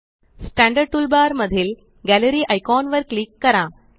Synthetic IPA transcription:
sʈæ̃ɳɖəɽ̚ʈ̪ulbaɾməd̪ʱiːl | ɡæləɾiːʔajkɔnʋəɾklikːəɾã

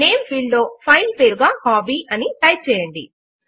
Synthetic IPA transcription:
ne̞ːmpʰiːɖlo̞ːpʰɐjlpeːɾuɡaːhaːbiːʔɐniʈɐjt͡ʃɛːjɐɳɖḭ

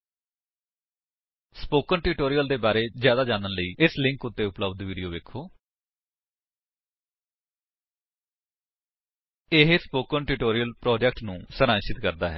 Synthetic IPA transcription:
spoːkənʈiʈoːɾijəld̪eːbaːɾeːzjaːd̪aːd͡ʒaːnənləiːɪslɪ̃ŋkʊt̪ːeːʊpləbd̪ʋiːɖijoːʋeːkʰːoː | ɪɦspoːkənʈɪʈoːɾijəlpɾɔːd͡ʒɛkʈnũːsəɾãːʃɪt̪kəɾd̪a̰ːɦɛ̰ː

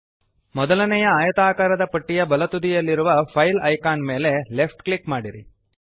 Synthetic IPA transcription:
mɔd̪ɐlɐnɛjɐaːjɐt̪aːkaːɾɐd̪ɐpɐʈːijɐbɐlɐt̪ud̪ijɐlːiɾuʋɐpʰɐjlɐjkaːnme̞ːle̞lepʰʈklikmaːɽiɾi

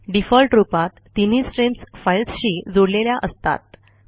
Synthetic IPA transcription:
ɖifɔlʈɾupat̪ːinisʈɾensfajlsɕiːd͡zoɽleljaʔəst̪a̰t̪̚

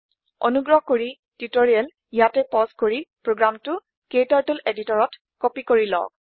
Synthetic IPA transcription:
ɔ̰nuɡɹɔɦkoɹi | tutoɹiɛl | ijatɛpɔskoɹipɹoɡɹamtʊ | ketaɹtuleditɔɹɔt | kɔpikoɹilɔ̰k

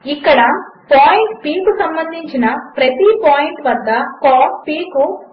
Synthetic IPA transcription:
ikːɐɽɐpaːjiɳʈpiːkusɐmbɐnd̪ʱiɲt͡ʃinɐpɾɐt̪ipaːjiɳʈʋɐd̪ːɐkaːppiːku

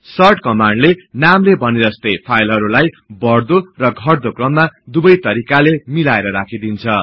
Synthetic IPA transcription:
sʌrʈkʌmaɳɖlenamlebʱʌniɾʌst̪ejpʰajlɦʌɾulaj | bʌrd̪orʌɡʱʌrd̪okrʌmːad̪ubʌjt̪ʌɾikalemilaeɾʌɾakʰid̪int͡sʰʌ

